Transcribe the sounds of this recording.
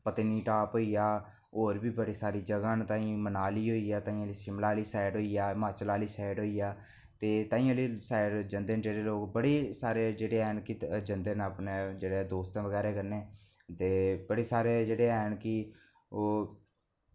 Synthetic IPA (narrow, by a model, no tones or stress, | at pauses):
pət̪eniːʈaːpɦoːiːaː | oːɾbiːbəɽeːsaːɾiːd͡ʒəɡãːnt̪ãːĩːmənaːliːɦoːiːaːt̪aːĩːãliːsɪmlaːliːsaːɪɖɦoːiːaːmãːt͡ʃlaːliːsaːɪɖɦoːiːaː | t̪eːt̪ãːĩːaːliːsaːɪɖd͡ʒənd̪eːnd͡ʒeːɾeːloːkbəɽeːsaːɾeːd͡ʒeːɽeːɛnkɪd͡ʒənd̪eːnaːpneːd͡ʒeːɽeːd̪oːst̪ãːʋəɡɛːɾeːkəɾneː | t̪eːbəɽeːsaːɾeːd͡ʒeːɽeːɛːnkɪ | oː